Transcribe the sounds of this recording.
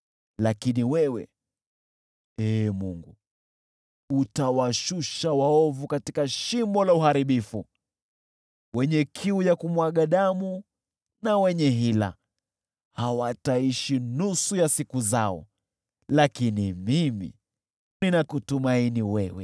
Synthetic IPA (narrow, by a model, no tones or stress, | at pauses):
lakiniwɛwɛ̰ | ɛmuŋɡu | utawaʃuʃawaɔvukatikaʃimbɔlauhaɾiɓifu | wɛɲɛkʰiujakumwaɠaɗamu | nawɛɲɛɦila̰ | hawataiʃinusujasikuzaɔ̰ | lakinimimḭ | ninakutumainiwɛwɛ̰